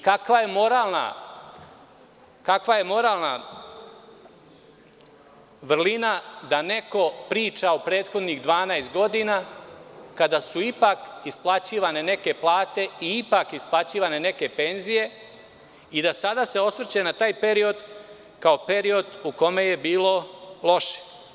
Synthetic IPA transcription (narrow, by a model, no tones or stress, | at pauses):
kakʋaje̞mo̞ɾaːlˠna̰ | kakʋaje̞mo̞ɾaːlˠna | ʋr̩linad̪ane̞ko̞pɾiːt͡ʃaopɾe̞ːt̪xo̞d̪niɣd̪ʋaːnajst̪̚ɡo̞d̪ina | kad̪asuipakisplˠat͡ɕiːʋane̞ne̞ke̞plˠaːt̪e̞iipakisplˠat͡ɕiːʋane̞ne̞ke̞pe̞nzije̞ | id̪asad̪ase̞o̞sʋr̩t͡ɕenat̪aːjpe̞ɾio̞d̪ | kao̞pe̞ɾio̞d̪uko̞me̞je̞biːlo̞lˠo̞ʃe̥